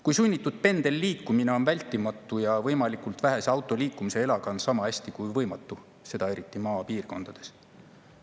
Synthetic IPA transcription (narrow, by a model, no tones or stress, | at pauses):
kujsunʲːit̪ːˑud̪̥̚pe̞nd̪̥e̞lːiːkːˑumine̞o̞nvælʲt̪ːˑimɑt̪ːˑujɑvɤjmɑlikult̪væɦe̞seɑwt̪ːˑo̞liːkːumise̞elɑɡ̥ɑnsɑmɑæsʲt̪ikujvɤ̞jmɑt̪ːˑu | se̞d̪ɑe̞ɾit̪ːˑimɑːpiːrko̞nd̪̥ɑd̪̥e̞̥s